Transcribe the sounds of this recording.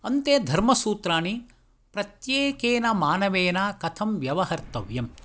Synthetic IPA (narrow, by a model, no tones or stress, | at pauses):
ɐnt̪eːd̪ʱɐɾmɐsuːt̪ɾaːɳi | pɾɐt̪jeːkeːnɐmaːnɐʋeːnaːkɐt̪ʰɐmʋjɐʋɐɦɐɾt̪ɐʋjɐm